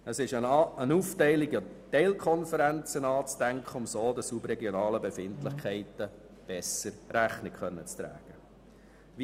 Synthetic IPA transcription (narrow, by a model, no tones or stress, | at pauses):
əsɪʃəənuftɛɪlɪɡətɛɪlkʰχɔnfəɾænt͡sənɑːt͡stæŋkχəʊmsoːd̥̪əsubrɛɡjonɑːləbefɪntlɪχkʰɛɪtə | b̥ɛsəɾɾæχnɪkχœnːət͡st̪ɾæ̰ːɡ̥ə | ʋi